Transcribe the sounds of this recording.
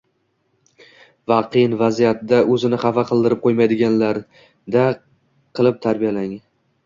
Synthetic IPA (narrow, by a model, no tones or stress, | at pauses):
vaqʰɨjnvazijat̪d̪aɵzɪnɪχafaqʰɨlˠd̪ɪɾɪp̚qʰojmajd̪ɪɡʲanlaɾ | d̪a | qʰɨlˠɪp̚t̪ʰaɾbijalaŋ